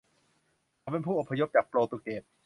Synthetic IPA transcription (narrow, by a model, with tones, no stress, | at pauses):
a˧˩pe˧npʰuː˥˩ʔo˨˩pʰːa˧jo˦˥p̚t͡ɕaː˨˩k̚ploː˧t̪u˨˧˩k̚keː˨˩p̚